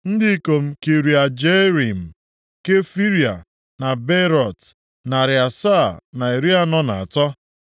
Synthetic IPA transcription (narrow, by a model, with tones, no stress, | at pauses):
n̩˦dɪ˦i˦ko˨m̩˦ke˨ɾi˨a˨d͡ʒe˦ɾi˨m̩˨ | ke˦fi˦ɾja˨ | na˨be˦ɾɔ˨t | na˨ɾɪ˨a˨sa˦˨na˨e˨ɾi˦a˦nɔ˦na˨a˨tɔ˦